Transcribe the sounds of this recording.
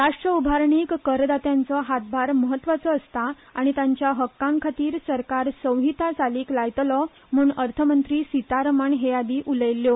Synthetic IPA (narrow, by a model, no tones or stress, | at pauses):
ɾaʂʈɾəubʱaɾɳiːkːəɾd̪at̪jant͡sɔɦat̪̚bʱaɾməɦət̪ːʋat͡sɔːst̪a | aɽ̃it̪aɲt͡ɕjaɦəkːãŋkʰat̪iːɾsəɾkaɾsə̃wɦit̪at͡saliːklajt̪lɔ | m̤uːnəɾt̪ʰəmənt̪ɾiːsit̪aɾəmaɳɦejad̪iːʔuləjlːjo